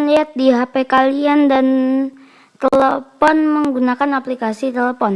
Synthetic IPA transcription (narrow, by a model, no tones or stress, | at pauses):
nliat̪̚diɦapekaliandan | t̪ɛləfɔnməŋɡunakanaplikasit̪ɛləfɔn